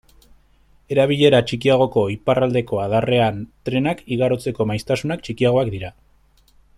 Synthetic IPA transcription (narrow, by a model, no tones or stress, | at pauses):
e̞ɾaβiʎe̞ɾat͡ʃikiaɣ̞o̞ko̞iparald̪e̞ko̞að̞are̞ant̪ɾe̞nakiɣaɾo̞t͡se̞ko̞majst̪asunakt͡ʃikiaɣ̞o̞akd̪iɾa